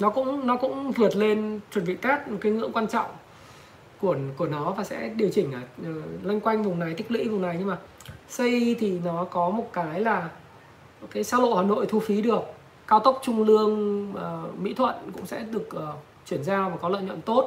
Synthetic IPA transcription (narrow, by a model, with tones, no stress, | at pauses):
nɔ˨˦kʊ̰˧˥ŋ͡mnɔ˨˦kʊ̰˧˥ŋ͡mvɨ˨˩ət̚le˧nt͡ɕwə˨˩nvḭ˧˨kaː˦˥k̚mo˨˩t̚kaː˨˦jŋɨ̰˧˥əŋkwaː˧nt͡ɕɔ̰˧˨wŋ͡m | ku˧˩əku˧˩ənɔ˨˦vaː˨˩sɛ̰˧˥ɗi˨˩əwt͡ɕï˧˩ŋ̟ʔaː˨˩ʔəː˨˩la˧jŋ̟kwa˧jŋ̟vʊ˨˩ŋ͡mna˨˩jt̪ʰi˦˥k̟̚lḭ˧˥vʊ˨˩ŋ͡mna˨˩jɲɨ˧ŋmaː˨˩ | sə˧jt̪ʰi˨˩nɔ˨˦kɔ˨˦mo˨˩t̚kaː˨˦jlaː˨˩ | kaː˨˦jsaː˧lo̰˧˨jhwaː˨˩no̰˧˨jt̪ʰu˧fi˨˦ɗɨ˨˩ək̚ː | aː˧wt̪ə˦˥wk͡p̚t͡ɕʊ˧ŋ͡mlɨ˧əŋʔəː˨˩mḭ˧˥t̪ʰwə̰˧˨nkʊ̰˧˥ŋ͡msɛ̰˧˥ɗɨ˨˩ək̚ʔəː˨˩ | t͡ɕwi˧˩ənzaː˧vaː˨˩kɔ˨˦lə̰˧˨jɲwə̰˧˨nt̪o˦˥t̚